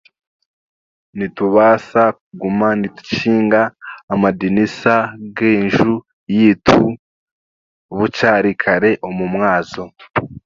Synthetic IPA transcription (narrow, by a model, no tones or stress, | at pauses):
nituβaːsakuɡumanitu̥ciːŋɡaːmadinisaɡeːnʒu | jiːtʰu | βut͡ʃaːɾikʰaɾe̞ʔomumŋaːzo̞